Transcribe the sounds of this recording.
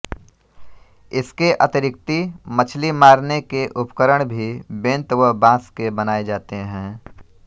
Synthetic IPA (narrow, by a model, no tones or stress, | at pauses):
ɪskeʔɐt̪ɪɾɪk̚t̪imɐt͡ʃʰlimaːɾnekeʔʊpkəɾəɽ̃bʱibẽːnt̪ʋəbãːskebənaːed͡ʒaːt̪eɦɛ̃ː